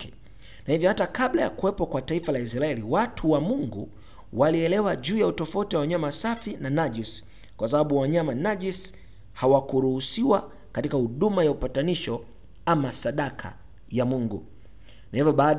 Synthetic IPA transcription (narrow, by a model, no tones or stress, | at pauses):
ɛ | nahivjɔhatakaɓlaja̰kuwɛpɔkwataifalais̬ɾaɛliwatʰuwamuŋɡu | waliɛlɛwaʄuːjautɔfautiwawaɲamasafinanaʄis | kwasaɓaɓuwaɲamanaʄis | hawakuɾuhusiwa | katikahuɗumajaupataniʃɔ | amasaɗakʰa̰ | jamuŋɡṵ | naivjɔɓaː